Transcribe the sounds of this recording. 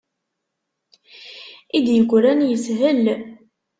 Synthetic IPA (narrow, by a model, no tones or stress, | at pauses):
id̪jəɡʷɾænjəsɦəl